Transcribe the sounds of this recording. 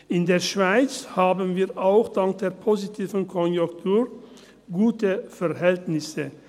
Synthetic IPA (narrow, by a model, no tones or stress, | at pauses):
ʔɪndeːɐʃv̥aɪt͡shaːbənviːɐʔaʊxd̥aŋk̚d̥eːɐpʰozitʰiːvən̩kʰɔnjʊktʰuːʁ | ɡuːtəfɛʁɦɛltnɪsə